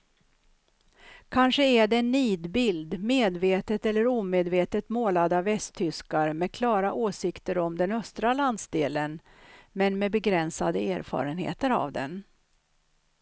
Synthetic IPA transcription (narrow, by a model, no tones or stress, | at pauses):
kʰanʂəæɖɛɛnːiːd̪bɪld̪meːd̪veːt̪ət̪ɛlːəɾuːmeːd̪veːt̪ət̪moːlad̪avɛst̪ʰːʏskaɾmɛkʰlɑːɾaʔoːsɪkt̪əɾɔmd̪ɛnœst̪ɾaland̪sd̪eːlən | mɛnmɛbɛɡɾɛnsad̪əæːɾfɑ̰ːɾənhḛːt̪əɾa̰vd̪ɛ̰n